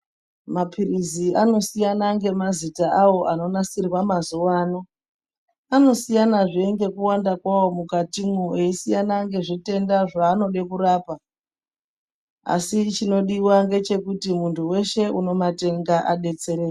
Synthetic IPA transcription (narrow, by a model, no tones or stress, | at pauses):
mapʰiriziano̞sijanaŋɡe̞mazitaawo̞ʔano̞nasirwamazuwaːno̞ | ano̞sijanaʐieŋɡe̞kuwandakwawo̞mukatimueisijanaŋɡe̞ʐite̞ndaʐaːno̞ɗe̞kuraːpa | a̰sit͡ʃino̞ɗiwaŋɡe̞t͡ʃe̞kutimuntʰuwe̞ʃe̞ʔuno̞mate̞ŋɡaʔaɗe̞t͡se̞ɾee